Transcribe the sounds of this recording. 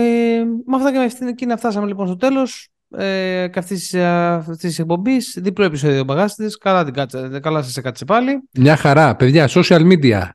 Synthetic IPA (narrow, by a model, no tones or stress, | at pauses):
emɐft̪ɐcemeft̪incinɐft̪ɐsɐme̞lipo̞nst̪ot̪elo̞s | eceɐft̪isft̪ist̪isek̚po̞mbisðiploepisoðio̞bɐɣɐsit̪iskɐlɐt̪iɡɐt͡sekɐlɐsɐsekɐt͡sepɐlimɲɐxɐɾɐpe̞ðʝɐso̞siɐlmid̪iɐ̰